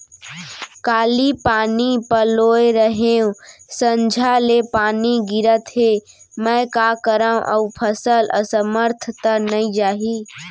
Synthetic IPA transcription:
kaːlipaːnipəloːeɾəɦeũsə̃ɲd͡ʒʱalepaːniɡɪɾət̪ɦe | mə̃kaːkəɾə̃ʔə̰upʰəsəlʔə̰səməɾt̪ʰət̪anəĩd͡ʒaːɦi

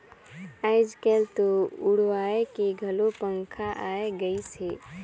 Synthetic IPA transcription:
əɪd͡ʒkelt̪oʊɽʋaːekeɡʱəlopəŋkʰaʔaeɡəise

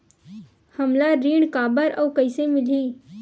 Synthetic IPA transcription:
həmlaɾiːɳkaːbəɾʔɐwkɐɪsemɪliː

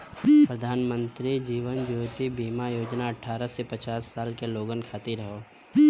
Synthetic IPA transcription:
pɾəd̪ʱaːnmə̃nt̪ɾid͡ʒiːʋənd͡ʒoːt̪ibiːmajoːd͡ʒnaɐʈʰːaːɾəsepət͡ʃaːsːaːlkeloːɡənkʰaːt̪iɾəɦoː

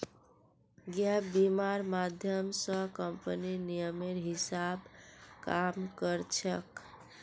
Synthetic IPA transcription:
ɡjabimaɾmad̪ʱjəmsə̃kəmpəninijəmeɾɦisabkamkəɾt͡ʃʰək

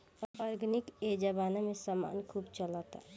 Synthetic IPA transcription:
ɔɔːɾɡnɪked͡ʒabaːnamẽsaːma̰ːnkʰuːbt͡ʃəlaːt̪a̰

